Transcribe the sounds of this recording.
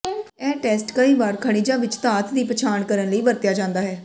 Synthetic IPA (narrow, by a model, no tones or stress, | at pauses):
ɛːʈɛːsʈkəiːʋaːɾkʰəɽ̃iːd͡ʒãːʋɪt͡ʃt̪aːt̪d̪iːpət͡ʃʰaːɳkəɾənləiːbəɾt̪jaːd͡ʒãːnd̪aːɦɛː